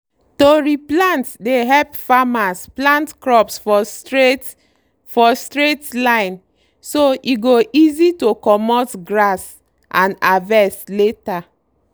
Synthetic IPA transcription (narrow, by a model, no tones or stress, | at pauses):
toɹiplãntdeɦɛlpfamasplãntkɹɔpsfɔe | fɔstɹetlãɪ̃n | soʔiɡoʔizitokɔmɔtɡɹas | ʔãnavɛsleta